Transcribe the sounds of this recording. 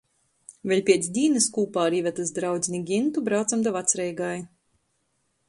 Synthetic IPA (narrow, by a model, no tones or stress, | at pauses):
vʲɛlʲpʲiɛt̪sd̪ʲiːnɨskuːpaːɾiːvʲɛt̪asd̪ɾawd̪zʲnʲiɡʲint̪ubɾawt̪samd̪avat̪sɾɛjɡaj